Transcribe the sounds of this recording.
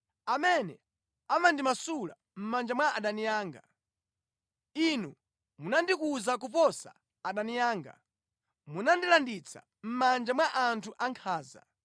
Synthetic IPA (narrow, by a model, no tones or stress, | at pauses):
amɛnɛ̰ | amandimasula̰ | m̩mand͡ʒamwaaɗanijaːŋɡa | inu | munandikuzak̬upɔsa̰ː | ɗanijaːŋɡa̰ | munandilandit͡sʰa̰ | m̩mand͡ʒamwaʔantʰuʔaŋkʰaːza̰